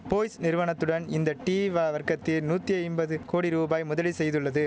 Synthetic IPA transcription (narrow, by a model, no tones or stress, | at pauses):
poːjsnɪɾɯʋɐɳɐt̪ːɯɽɐnɪnd̪ɐʈiːʋaːʋɐɾkɐt̪ːɪlnuːt̪ːiɐjnbɐðɯkoːɽiɾuːbaːjmʊðɐlisɛjðɯɭːɐðɯ